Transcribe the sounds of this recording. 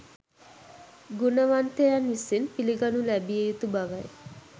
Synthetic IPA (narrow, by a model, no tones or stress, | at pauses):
ɡunaʋant̪eɾanisinpiliɡanulɛbiejut̪ubaʋaj